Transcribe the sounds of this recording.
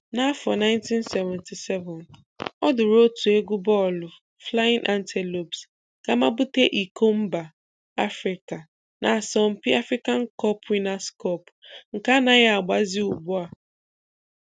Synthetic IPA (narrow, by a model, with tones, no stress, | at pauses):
na˦a˦fɔ˨na˦ɪ̃˦ntĩ˦nsɛ˨vɛ̃˨nti˨sɛ˦vɛ˨n | ɔ˦dʊ˨ɾo˦tʰu˨e˦ɡʷu˦bɔ˦˨lʊ˨ | fla˦ɪ̃˦nʔa˦ntʰe˨lo˨bs | ka˨ma˦bʊ˦te˦ʔi˨ko˦m̩˦ba˨ | a˦fɾi˨ka˨ | nʔa˨a˨sɔ˦m̩˦pɪ˦a˦fɾi˦ka˦ŋ̩˦kɔ˦pwi˦na˦skɔ˦pŋ̩˨ka˦na˨ɣa˨ɡ͡ba˨zi˦u˨ɡ͡bʊ˦a˨